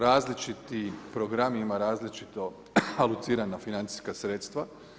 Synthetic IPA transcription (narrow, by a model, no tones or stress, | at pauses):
ɾaːzlit͡ʃit̪ipɾoɡɾamimaɾaːzlit͡ʃit̪o̞ | alˠut̪siːɾanafinant̪si̥skasɾet̪st̪ʋa